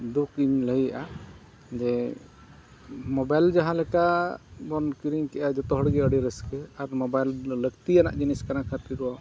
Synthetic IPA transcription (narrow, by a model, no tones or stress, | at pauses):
d̪ukiɲləɦijaʔa | d͡ʒɛ | mɔbajld͡ʒaɦãlɛkabɔnkiɾiɲkɛʔad͡ʒɔt̪ɔɦɔɽɡɛəɽiɾəskɛaɾmɔbajlːəɡt̪ijana̰ʔd͡ʒiniskanakʰat̪iɾɔwa